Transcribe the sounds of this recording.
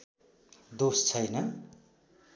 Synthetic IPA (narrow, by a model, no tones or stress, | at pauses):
d̪ost͡sʰʌjnʌ